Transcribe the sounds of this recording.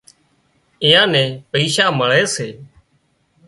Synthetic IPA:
ɪjãːnɛ̃ːpəiːʃaːməɭeːseː

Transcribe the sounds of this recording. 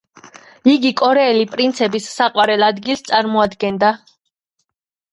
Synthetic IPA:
iɡikʼɔɾɛːlipʼɾint̪sʰɛbisːaqʼwaɾɛlˠad̪ɡilˠst̪sʼaɾmɔad̪ɡɛnd̪a

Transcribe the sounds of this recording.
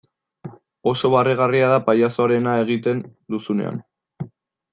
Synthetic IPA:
o̞so̞βareɣ̞ariað̞apajaso̞aɾe̞nae̞ɣ̞it̪e̞nd̪usune̞̰a̰n

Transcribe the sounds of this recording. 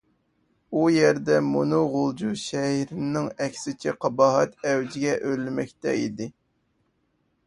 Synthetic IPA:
ujɛɾd̪ɛmunuʁolˠd͡ʒuʃɛhɾnːɪŋɛkʲsɪt͡ʃʰɛqʰɑbɑːɦɑt̪ɛwd͡ʒɪɡʲɛʔølːɪmɛkʲt̪ɛ̰ḭd̪ɪ

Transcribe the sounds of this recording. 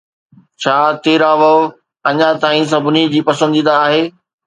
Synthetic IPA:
t͡ɕʰaːt̪eːɾaʋɐ | ɐɲat̪aːĩs̬ɐbʱʊnid͡ʑiːpɐsə̃nd̪ĩːnd̪aːɦeː

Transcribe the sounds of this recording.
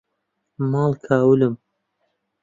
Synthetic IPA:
mɑːlkʰaːwɨlɨm

